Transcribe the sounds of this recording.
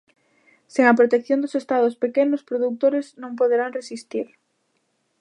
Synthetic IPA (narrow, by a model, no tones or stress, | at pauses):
seŋɐpɾot̪ekθjõnd̪ʊsest̪aðʊspekenʊspɾoðut̪oɾeznõŋpoðeɾaŋresist̪iɾ